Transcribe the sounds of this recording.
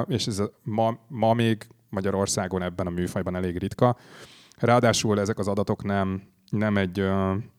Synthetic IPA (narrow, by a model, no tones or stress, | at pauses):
eːʃɛzmɒmɒmeːɡ | mɒɟɒɾo̞rsaːɡo̞nɛbːɛnɒmyːfɒjbɒnɛleːɡrit̪kɒ | raːɒd̪aːʃulɛzɛkɒzɒd̪ɒt̪o̞knɛm | nɛmɛɟø